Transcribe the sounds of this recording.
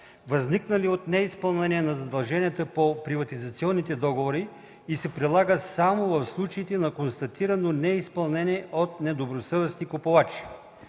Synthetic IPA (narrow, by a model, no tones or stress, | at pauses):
vɐzniknəliot̪nɛispəlˠnɛniɛnɐzɐd̪ɐlˠʒɛniət̪əpopɾivɐt̪izɐt̪siɔnːit̪ɛd̪ɔɡovoɾi | isɛpɾilˠaɡəsamovɐfslˠut͡ʃəit̪ɛnɐkonst̪ɐt̪iɾɐnonɛispɐlˠnɛnʲiɛʔot̪̚nɛd̪obɾosɤvɛsnikopovat͡ʃi̥